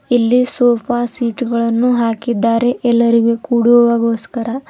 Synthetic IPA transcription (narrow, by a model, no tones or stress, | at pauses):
ilːisoːpaːsiːʈɡɐɭɐnːuɦaːkid̪ːaːɾe̞ʔɛlːɐɾiɡe̞kuːɽuʋɐʋaːɡo̞ːskɐɾɐ